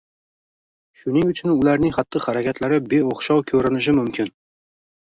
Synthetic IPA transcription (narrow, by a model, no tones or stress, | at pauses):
ʃʊnɪŋʊt͡ʃʰʊnʊlaɾnɪŋχat̪ʰːɒhaɾakʲat̪laɾɪbe̞oχʃɒwkʲʰɵɾɪnɪʃ̬ɪmʊmkʲʰɪn